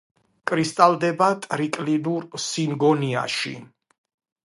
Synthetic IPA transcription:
kʼɾist̪ʼalˠd̪ɛbat̪ʼɾikʼlinuɾsinɡɔnia̰ʃḭ

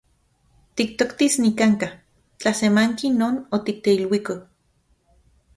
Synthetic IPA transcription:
t̪ik̚t̪okt̪isnikaŋka | t͡ɬasemaŋkinoːnot̪ik̚t̪eilwiko

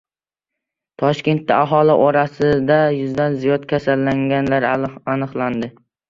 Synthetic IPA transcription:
t̪ʰɒʃkʲe̞nt̪ːa̰aɦɒlɪʔɒɾasɪd̪ajʊzd̪anzijɒt̪kʲʰasalːaŋɡʲanlaɾanɨqlˠand̪ɪ

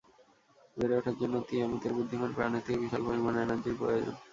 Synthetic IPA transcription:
beɾeoʈʰak̚d͡ʑonːot̪iamit̪eɾbid̪ʱːiŋonpɾa̰net̪ʰːibiʃalpoɦimanenad͡ʑiɾpɾo̰jod͡ʑo̰n

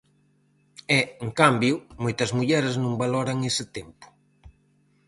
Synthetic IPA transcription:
ɛeŋkambjʊmojt̪ɐzmuʎɛɾɪznũŋbalɔɾɐŋesɪt̪empʊ̥

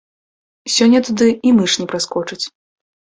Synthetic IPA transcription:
sʲɔnʲːɐt̪ud̪ɨimɨʂnʲɛpɾaskɔt͡ʂɨt͡sʲ

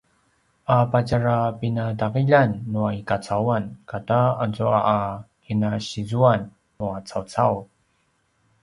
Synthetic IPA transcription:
ʔapacaɾapinadaʁiʎanːuaikat͡sawankataazuaʔː | kinaɕizuanː | uat͡sawt͡saw

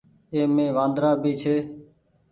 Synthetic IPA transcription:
eːmẽːʋãːnd̪ɾaːbiːt͡ʃʰeː

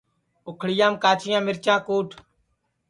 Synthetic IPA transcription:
ʊkʰɽɪjãːmkaːt͡ʃʰɪjãːmɪɾt͡ʃãːkoːʈʰ

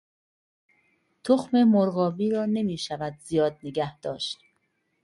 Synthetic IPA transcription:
t̪ʰoxme̞moɾɣɒːbiːɾɒːne̞miːʃævæd̪zijɒːd̪̚neɡæhd̪̥ɒ̰ːʃt̪

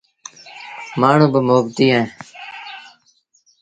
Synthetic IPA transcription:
maːɳ̤ũːbəmoːbt̪iːẽː

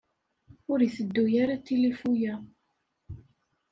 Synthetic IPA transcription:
ʊɾiθəd̪ːujaɾat̪ːilifujæ

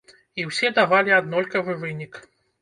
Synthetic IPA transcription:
iwsʲɛd̪avalʲiad̪nɔlʲkɐvɨvɨnʲik

